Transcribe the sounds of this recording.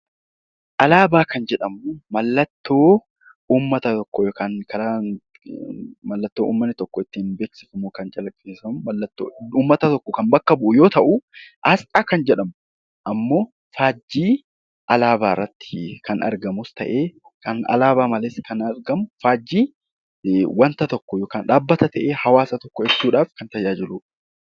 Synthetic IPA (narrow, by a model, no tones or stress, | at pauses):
ʔɐlaːbaːkɐnd͡ʒɛᶑɐmʊmɐlːɐt̪ːo̞ː | uːmːɐt̪ɐt̪ɔkːɔkɐnkɐɾaːn | mɐlːɐt̪ːoːʔuːmːɐnːɪt̪ɔkːɔɪt̪ːɪːnbe̞ːksɪ̥fɐmuːkɐnt͡ʃʼɐlɐkʼːeːsɐmʊmɐlːɐt̪ːo̰ːuːmːɐt̪ɐt̪ɔkːɔkɐmbɐkːɐbʊʔʊjo̞ːt̪ɐʔʊʔɐsʔʼaːkɐnd͡ʒɛᶑɐmʊ | ʔɐmːo̞ː | faːd͡ʒːiː | ʔɐlaːbaːrːɐt̪ːɪ̥kʰɐnɐ̰ɾɡɐmʊst̪ɐ̰ʔeː | kɐnɐ̰laːbaːmɐleːskɐnɐɾɡɐmʊfaːd͡ʒːiː | wɐnt̪ɐt̪ɔkːɔjoːkaːnᶑaːbːɐt̪ɐt̪ɐʔeːhɐwaːsɐt̪ɔkːɔɛsːuːᶑaːfkɐnt̪ɐd͡ʒaːd͡ʒɪluːᶑ